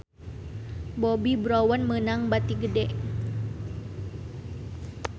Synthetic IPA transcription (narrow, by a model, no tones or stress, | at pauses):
bobibɾɔwənmənaŋbat̪iɡədɛʔ